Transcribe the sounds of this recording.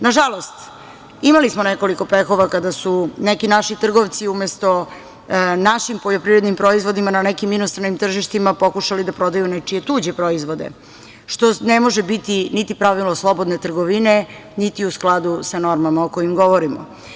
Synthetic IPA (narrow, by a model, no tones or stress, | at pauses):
naʒalo̞st̪ | imalismone̞ko̞liko̞pe̞xo̞ʋakad̪asune̞kinaʃit̪r̩ɡoʋt̪siumest̪o̞ | naʃimpoʎopɾiɾed̪nimpɾo̞izʋo̞d̪imanane̞kiminost̪ɾanimt̪r̩ʒiʃt̪imapo̞kuʃalid̪apɾo̞d̪ajunet͡ʃije̞t̪uːd͡ʑepɾoizʋo̞d̪ḛ | ʃt̪onemo̞ʒebit̪init̪ipɾaʋiloslˠo̞bo̞d̪net̪r̩ɡo̞ʋine̞ | nit̪iusklˠad̪usano̞ɾmamaokojimɡo̞ʋoɾimo̰